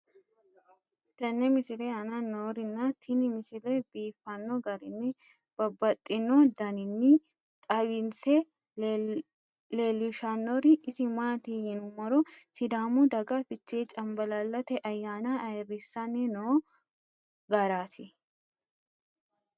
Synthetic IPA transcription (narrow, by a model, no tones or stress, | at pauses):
t̪ɐnːɛmɪsɪlɛɐnɐnoːɾɪnːɐt̪ʰɪnɪmɪsɪlɛbiːfːɐnːɔɡɐɾɪnːɪ | b̥ɐbːɐt̪ʼːɪnɔd̪ɐnɪnːɪ | t̪ʼɐwɪnsɛ | leːlɪʃanːɔɾɪʔɪsɪmaːt̪ihɪnʊmɐɾɔsɪd̪aːmʊd̪ɐɡɐfɪt͡ʃːeːt͡ʃʼɐmbɐlɐlːɐt̪ɛʔɐjːaːnɐɐrɪsːɐnːɪnoː | ɡɐɾaːt̪ɪ